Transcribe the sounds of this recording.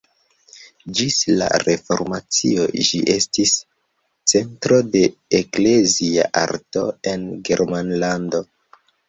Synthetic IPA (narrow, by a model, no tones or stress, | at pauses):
d͡ʒisla̰ɾe̞fo̞̰ɾmat͡sḭo̞d͡ʒḭʔe̞stis | t͡se̞ntɾo̞de̞ekle̞zia̰ʔa̰ɾto̞̰e̞nɡe̞ɾmanlando̞